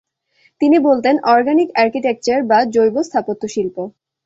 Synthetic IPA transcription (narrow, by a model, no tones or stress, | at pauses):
t̪inibolt̪enɔɾɡanikaɾkiʈek̚t͡ɕaɾbad͡ʑojbost̪ʰapot̪ːoʃilpo